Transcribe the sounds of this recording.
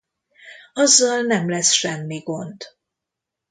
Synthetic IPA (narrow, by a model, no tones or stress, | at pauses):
ɒzːɒlnɛmlɛsʃɛmːiɡo̞nd̪̥